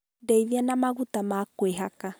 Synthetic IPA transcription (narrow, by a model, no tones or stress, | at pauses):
dɛiðjanamaɣutamakweɦaka